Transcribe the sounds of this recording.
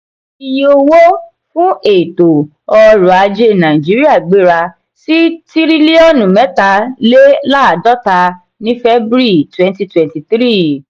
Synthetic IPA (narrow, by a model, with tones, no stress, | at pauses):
i˧jo˧wo˦ | fũ˦e˨to˨ | ɔ˧ɾu˨a˨˧d͡ʒe˦nã˨i˨d͡ʒi˨˦ɾi˦a˦˨ɡ͡be˨˦ɾa˧ | si˦ti˦ɾi˦li˦ɔ˦˨nũ˨mɛ˨˦ta˧le˦la˦˨dɔ˦ta˧ | nĩ˦fɛ˦bɾi˦˨twɛ̃˦nti˧twɛ̃˨nti˨tɾi˦˨